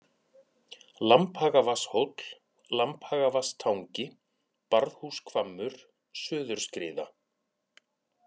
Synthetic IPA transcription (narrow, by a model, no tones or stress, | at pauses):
lamphaːɣavashowt̪l̥ | lamphaːɣavast̪ʰawŋcɪ | paɾðhuːskʰvamːʏɾ̥ | sʏːðʏɾ̥skɾɪ̰ːða̰